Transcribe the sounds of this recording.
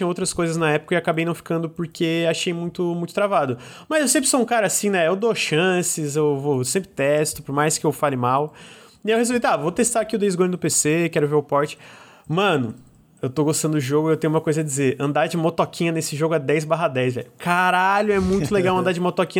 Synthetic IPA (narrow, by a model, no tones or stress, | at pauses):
t͡ʃĩɐ̃owt̪ɾɐskojzɐznɐɛpʊ̥kɐɪakabejnɐ̃w̃fi̥kɐ̃nd̪ʊpʊɾkʰeaʃejmũj̃t̪ʊmũj̃t̪ʊ̥t̪ɾavad̪ʊ | mɐzewsẽpɾɪsoũkaɾɐːsĩnɛewd̪oʃɐ̃sɪzewvosẽmpɾɪt̪ɛst̪ʊpoɾmajskɪewfalɪmaw | iewhezuvit̪avot̪est̪aɾakiʊd̪ejzɡõjnʊd̪ʊpesekɛɾʊveɾʊpɔɾt͡ʃɪ̥ | mɐ̃nʊ | ewt̪oɡost̪ɐ̃nd̪ʊd̪ʊʒoɡʊewt̪ẽj̃ʊũmɐkojzɐd͡ʒɪzeɾɐ̰̃nd̪aɾd͡ʒɪmot̪ɔkʰĩɲɐnesɪʒoɡʊad̪ɛjzbaɦɐd̪ɛjzvɛ̰ʎʊkaɾaʎʊɛmũj̃t̪ʊleɡawɐ̃nd̪aɾd͡ʒɪmot̪ɔkĩɲ